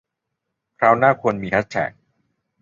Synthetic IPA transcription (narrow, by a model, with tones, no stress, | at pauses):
kʰɾaː˦˥wnaː˥˩kʰu˧ənmiː˧tʰa˦˥t̪̚t͡ɕʰɛ̰ː˨˩˦k̚